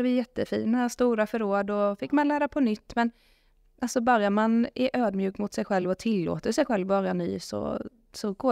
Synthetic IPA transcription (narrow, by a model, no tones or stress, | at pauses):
d̪əvɪjɛt̪ːəfḭːnast̪uːɾafœɾoːd̪ɔfɪkːmanlæːɾapʰɔnʏt̪ːmɛn | ʔalsɔbœɾjamanʔæʔøːd̪mjʉ̟ːkmʊt̪sɛjɧɛlvɔt̪ʰɪlːo̰ːt̪əʂɛjɧɛlvːɑːɾjany̰ːsɔ̰ | sɔɡ̥oː